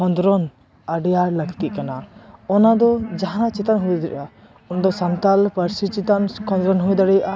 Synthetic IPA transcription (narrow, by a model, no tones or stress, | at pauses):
ɔnd̪ɾɔn | aɖɛjaɾləɡt̪iʔkanaɔnad̪ɔd͡ʒaɦãat͡ʃɛt̪anɦujd̪ɾ̰ʔa | ɔnd̪ɔsant̪alpəɾsit͡ʃit̪ankʰɔ̃nd̪ɾɔnɦud̪aɽɛjʔa